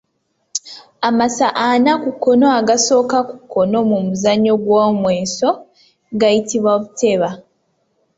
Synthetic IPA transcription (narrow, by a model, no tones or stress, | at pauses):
amasaʔanakukːo̞no̞aɡaso̞ːkaku̥kːo̞no̞mumuzaɲːo̞ɡwomwe̞ːso̞ | ɡajitiβwaβute̞βa